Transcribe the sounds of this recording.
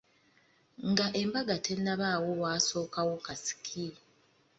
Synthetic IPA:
ŋɡaʔembaɡatʰenːaβaːwo̞waːso̞ːkawo̞kasi̥kʰi

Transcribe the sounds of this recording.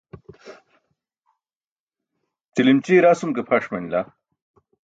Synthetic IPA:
t͡silimt͡ɕiɾaːsumkepʰaʂmɐnila

